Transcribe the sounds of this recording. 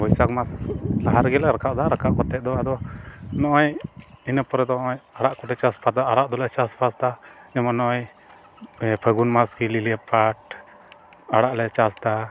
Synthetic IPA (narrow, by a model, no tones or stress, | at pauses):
bɔjsakmaslaɦaɾɡɛlɾakaʔd̪aɾakaʔkɔt̪ːɛʔ̚d̪ɔad̪ɔnɔʔɔjinəpɔɾɛd̪ɔɔjaɽaʔkɔʈɛt͡ʃaspʰat̪aaɽaʔd̪ɔlat͡ʃaspʰasd̪ad͡ʒɛmɔnɔʔɔj | pʰəɡunmaskililiəpʰaʈ̚ | aɽaʔlɛt͡ʃast̪a